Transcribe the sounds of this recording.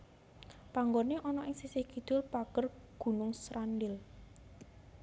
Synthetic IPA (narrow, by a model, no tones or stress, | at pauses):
paŋɡoneʔɔnɔʔɪŋsisɪhkid̪̥ʊlpaɡ̥ərɡ̥ṳnʊŋsɾandɪl